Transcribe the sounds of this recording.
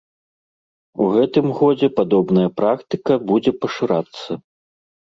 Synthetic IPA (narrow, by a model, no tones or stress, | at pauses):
uɣɛt̪ɨmɣɔd͡zʲɛpad̪ɔbnɐjɐpɾakt̪ɨkɐbud͡zʲɛpɐʂɨɾat̪sːɐ